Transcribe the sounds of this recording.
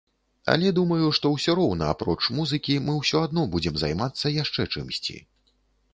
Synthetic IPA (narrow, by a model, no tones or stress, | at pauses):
ɐ̰lʲɛd̪umɐjuʂt̪ɔwsʲɔɾɔwnɐa̰pɾɔt͡ʂmuzɨkʲimɨwsʲɔad̪nɔbud͡zʲɛmzajmat̪sːɐjaʂt͡ʂɛt͡ʂɨmsʲt͡sʲḭ